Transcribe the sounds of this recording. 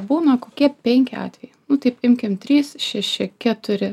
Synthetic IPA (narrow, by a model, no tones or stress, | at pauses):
buːnɐkoːkʲiɛpʲɛŋʲkʲɪɑ̰ːt̪ʲʋʲɛjɛnʊt̪ɐɪpɪmʲkʲɪmt̪ʲɾʲiːsʃʲæʃʲɪkʲæt̪ʊɾʲɪ